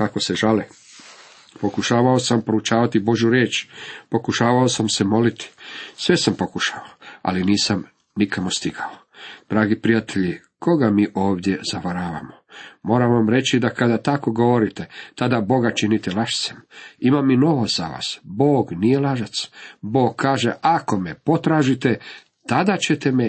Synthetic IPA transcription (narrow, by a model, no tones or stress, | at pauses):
kako̞seʒali | po̞kuʃaːʋaosampɾout͡ʃaːʋat̪ibo̞ʒjuɾje̞ːt͡ʃpo̞kuʃaːʋaosamse̞mo̞lit̪i̥sʋe̞sampo̞kuʃaʋaoa̰liniːsam | nikʰamost̪iɡao | d̪̥ɾaːɡipɾijat̪e̞ʎi | kʰo̞ɡamiːʔo̞ːʋd̪je̞zaʋaɾaːʋa̰momo̞ːɾaʋamɾe̞t͡ɕid̪akad̪at̪ako̞ɡo̞ʋo̞ɾit̪et̪ad̪abo̞ɡat͡ʃinit̪elaʃt̪semimamːino̞ʋaza̰ʋa̰ːsbo̞ːɡnijelaʒat̪sbo̞ːɡ̚kʰːaːʒeʔako̞mepo̞t̪ɾaːʒit̪e̞ | t̪ad̪at͡ɕe̞t̪eme